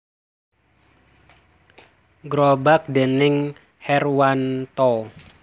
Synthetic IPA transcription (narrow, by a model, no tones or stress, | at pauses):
ɡɾobak̚d̪e̤nɪŋ | hɛrwant̪ɔ